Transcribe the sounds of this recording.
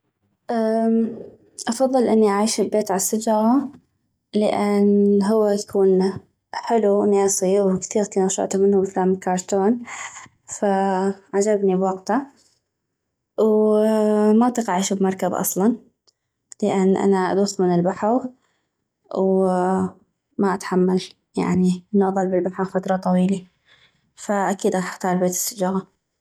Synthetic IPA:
ʔa | ʔɑfɑðˤːɨlʔɪnːiʔaʕiːʃɪbbeːt̪ʕalasad͡ʒɣa | lɪʔɪnɦʊwːajakʰuːn | ħɪluneːsiwkθiːɣkinaʃɑ̰ʔt̪amɪnhʊbɪkalaːmkɑːɾˤt̪oːn | faʕad͡ʒabnibwɑɡt̪a | w | mabt̪iqɑʔʕiːʃubmɑɾˤkabʔɑ̰sˤlɑn | lɪʔanːʔa̰naʔa̰d̪ufmɪnɪlbaħaw | w | maʔat̪ħamːal | ja̰ʕniʔɪnːʔɑðˤɑlːbɪlbaħaɣfat̪ɾˤɑt̪ˤɑwiːla | faʔakiːd̪ɣɑɪ̥ħt̪ɑːɾbeːt̪ɪ̥sːɪd͡ʒaːɣa

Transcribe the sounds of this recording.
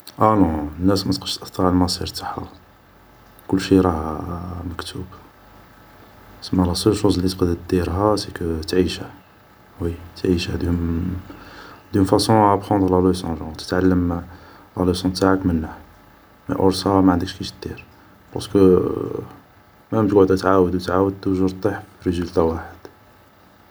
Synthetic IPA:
ʔænɔ̃nːæsmæt̪qə̥ʃt̪ʔət̪ːɑʕlmɑsˤiɾt̪ḁħa̰ | kʊlːʃiɾˤɑhməkt̪ʰub | səmːælæsəlʃuzlit̪qd̪əd̪iɾɦæsikət̪ʕiʃa | wit̪ʕiʃæd̪ | d̪ynfæsɔ̃bxɑ̃nd̪ʁlæləsɑ̃ʒɑ̃t̪ə̥t̪ʕalːəm | læləsɔ̃t̪aʕakmənːah | mə̰ʔoɾsæmaʕənd̪əkʃkiʃd̪̥iɾ | pɑ̰skə | mæmt̪ɡʊʕd̪æt̪ʕawəd̪wt̪ʕawəd̪̚uʒəɾt̪ˤːiħfiɾezylt̪awaħəd̪̥

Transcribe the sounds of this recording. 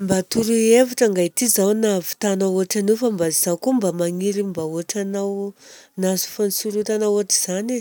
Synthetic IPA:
mbat̪uɾuevaʈ͡ʂaŋɡajt̪izawnavi̥t̪anaoaʈ͡ʂanifambaziz̥awkumbamaŋiɾimbaoaʈ͡ʂanawnazu̥fanisuɾut̪anaoaʈ͡ʂiz̥ane

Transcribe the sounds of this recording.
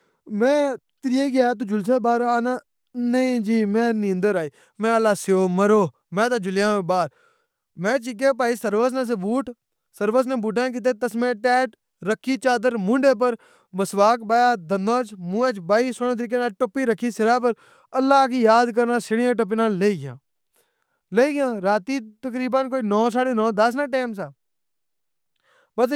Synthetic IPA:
mɛ̃ː | t̪ɾieːɡɪat̪ud͡ʒʊlseːbaːɾaːnaː | nəĩːd͡ʒiːmɛ̃ːnɪ̃ːnd̪əɾaːiː | mɛ̃ːəlːaːsɪoːməɾoː | mɛ̃ːt̪aːd͡ʒʊlɪjãːmẽːbaːɾ | mɛ̃ːt͡ʃɪk̬epaːiːsəɾʋəs̬nãːs̬ebuːʈ | səɾʋəs̬nẽːbuːʈãːk̬iːt̪̬eːt̪əsmɛ̃ːʈɛːʈ | ɾəkʰːiːt͡ʃaːd̪əɾmʊ̃ɳɖeːp̬əɾ | məsʋaːkbaːjaːd̪ənd̪ãːt͡ʃmũːẽːt͡ʃbaːiːsonẽt̪əɾiːk̬eːnaːʈʊpiːɾəkʰːiːsɪɾaːp̬əɾ | əlːaːkiːjaːd̪kəɾnaːsɪɽɪjãːʈ̬əp̬eːnãːleːiːɡɪjã̰ː | leiːɡjãːɾaːt̪iːt̪əkɾiːbənkoːinɔːsaːɽeːnɔːd̪əsnãːʈeːmsaː | bəs

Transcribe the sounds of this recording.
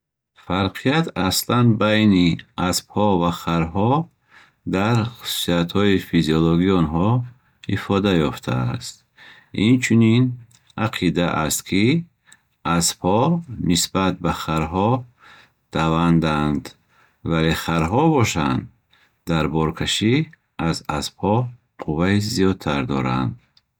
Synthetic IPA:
faɾqʰijat̪ʰaslanbajniasbhɔvaχaɾɦɔ | d̪aɾχu̥su̥siat̪hɔifiziɔlɔɡiɔnɦɔ | ifɔd̪ajɔft̪ʰa̰st̪̚ | int͡ʃʰunin | aqʰid̪aʔast̪kʰi | aspʰhɔnisbat̪̚baχaɾɦɔ | d̪̥avand̪and̪ | valeχaɾɦɔbɔʃand̪ | d̪aɾbɔɾkʰaʃi | azasphɔ | qʰuvaizijɔd̪̚t̪ʰaɾd̪ɔɾa̰nd̪

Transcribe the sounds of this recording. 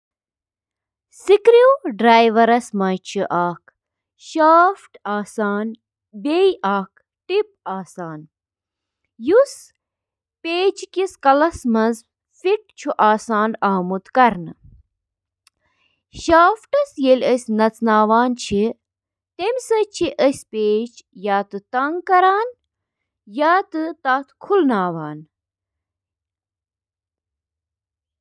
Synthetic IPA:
sikɾiwɖɾaːjʋɐɾɐsmɐjt͡ʃʰiʔaːkʰ | ʃaːfʈaːsaːn | bejʔaːk̚ | ʈip̚aːsaːn | jus | peːt͡ʃʰkiskɐlɐsmɐnz | fiʈ̚t͡ʃʰuʔaːsaːnaːmut̪kɐɾnɨ | ʃaːfʈɐsjelʲəsʲnɐt͡snaːʋaːnt͡ʃʰi | t̪emʲsɐt͡ʃʰiʔəsʲpeːt͡ʃjaːt̪ɨt̪ɐŋɡkɐɾaːn | jaːt̪ɨt̪aːt̪ʰkʰulnaːʋaːn

